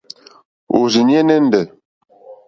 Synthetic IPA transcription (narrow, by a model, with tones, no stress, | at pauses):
o̰˨zi˨nje˦nə˦n̩˦də˨